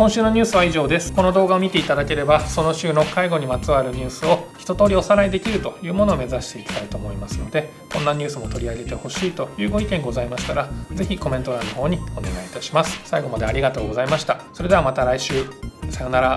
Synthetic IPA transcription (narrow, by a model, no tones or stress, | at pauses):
kõɕɨːno̞ɲ̟ʲɨːsɨβaiʑo̞ːd̪e̞sɨ̥ko̞no̞d̪o̞ːɡaomʲit̪e̞it̪ad̪ake̞ɾe̞baso̞no̞ɕɨːno̞kaiɡo̞ɲ̟imat͡sɨβaɾɯ̟ɲ̟ɨːsɨo̞çi̥t̪o̞t̪o̞ːɾʲio̞saɾaid̪e̞kʲiɾɯ̟t̪o̞jɯ̟ːmo̞noːme̞zaɕi̥t̪e̞it̪ḁd̪ait̪o̞ːmo̞imasɨno̞d̪e̞ | kõ̞nːaɲ̟ɨːsɨmo̞t̪o̞ɾʲiaɡe̞t̪e̞ho̞ɕiːt̪o̞jɯ̟ːɡo̞ikẽ̞ŋɡo̞zaimaɕi̥t̪aɾad͡ze̞çiko̞mẽnt̪o̞ɾaːnːo̞ɦo̞ːɲ̟io̞ne̞ɡaiːt̪aɕi̥masɨ̥saiɡo̞mad̪eaɾʲiɡat̪o̞ːɡo̞zaimaɕi̥t̪aso̞ɾe̞d̪e̞amat̪aɾaiɕɨːsaonaɾa